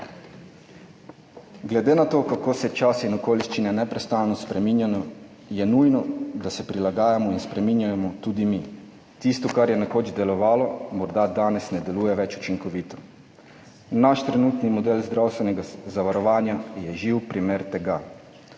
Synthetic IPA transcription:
ɡlɛd̪eːnat̪oːkakoːsɛt͡ʃasinɔkoːliʃt͡ʃinɛnɛpɾɛst̪aːlnɔspɾɛminjanɔ | jɛnuːjnɔd̪asɛpɾilaɡaːjamɔinspɾɛmiːnjajɛmɔt̪uːd̪imi | t̪ist̪ɔkaɾjɛnakoːd͡ʒd̪ɛlɔʋaːlɔmɔɾd̪ad̪aːnɛsnɛd̪ɛluːjɛʋɛt͡ʃu̥t͡ʃiŋkɔʋiːt̪ʰɔ̥ | naʃt̪ɾɛnuːt̪nimɔd̪eːlzd̪ɾawst̪ʋɛnɛɡazaʋaɾɔʋaːnjajɛʒiwpɾimeːɾt̪ɛɡa

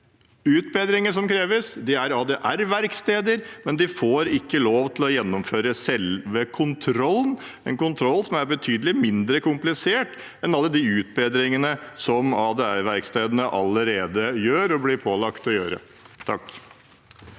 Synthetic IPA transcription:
ʉːt̪̚beːd̪ɾɪŋəsɔmkʰɾeːʋəsd̪ɪæɾɑːd̪eːʔæɾʋæɾkst̪eːd̪əɾmɛnd̪ɪfoːɾɪkːəloːʋt̪ʰɪlɔjɛnːɔmføːɾəsɛlʋəkʰʊnt̪ʰɾɔlːn | ɛ̰nkʊnt̪ʰɾɔlːsɔmæɾbət̪ʰyːd̪əlɪmɪnd̪ɾəkʊmplɪseːʈ | ɛnɑlːəd̪iʉːt̪̚beːd̪ɾɪŋənəsɔmɑːd̪eæɾʋæɾkst̪eːd̪ənəʔɑləɾeːd̪əjøːɾɔblɪɾpʰoːlɑkt̪ɔjøːɾə̰ | t̪ʰɑkː

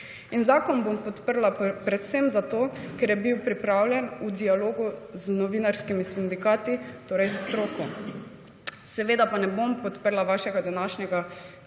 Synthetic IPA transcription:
inzaːkɔnbompɔt̪pəɾlapɾɛt̪semzat̪oːkɛɾjɛbiwpɾipɾaːwljɛnud̪ialoːɡuznɔʋinaɾskimisind̪ikaːt̪it̪oːɾɛjst̪ɾoːku | sɛʋeːd̪apanɛbompɔt̪pəɾlaʋaːʃɛɡad̪anaːʃnʲɛɡa

